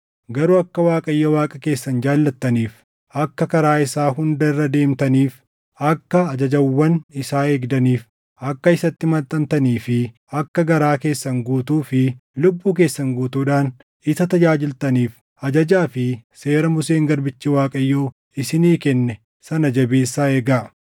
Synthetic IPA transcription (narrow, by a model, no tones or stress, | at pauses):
ɡɐɾuɐkːɐwaːkʼɐjːowaːkʼɐke̞ːsːɐnd͡ʒaːlːɐt̪ːɐniːf | ɐkːɐkɐɾaːɪsaːɦʊnd̪ɐɪrːɐd̪e̞ːmt̪ɐniːf | ɐkːɐːd͡ʒɐd͡ʒɐwːɐnɪsaːeːɡd̪ɐniːf | ɐkːɐɪsɐt̪ːɪmɐt̪ʼːɐmt̪ɐniːfɪ | ɐkːɐɡɐɾaːke̞ːsːɐŋɡuːt̪uːfɪlʊbːuːk̬e̞ːsːɐŋɡuːt̪uːᶑaːn | ɪsɐt̪ɐd͡ʒaːd͡ʒɪlt̪ɐniːf | ɐd͡ʒɐd͡ʒaːfɪse̞ːɾɐmʊse̞ːŋɡɐɾbɪt͡ʃːiwaːkʼɐjːoː | ɪsɪniːkɛnːɛ | sɐnɐd͡ʒɐbeːsːaːeːɡaː